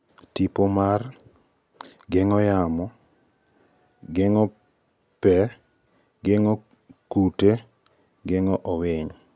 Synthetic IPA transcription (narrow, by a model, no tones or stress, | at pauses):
tipomar | ɡɪŋɔjamɔ | ɡɪŋɔ | pɛ | ɡɪŋɔ | kute | ɡɪŋɔʔɔwɪɲ